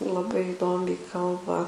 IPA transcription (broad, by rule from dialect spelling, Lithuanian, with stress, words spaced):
lˠɐˈbɐɪ ɪˈdoːmʲɛɪ ˈkɐlˠbɐ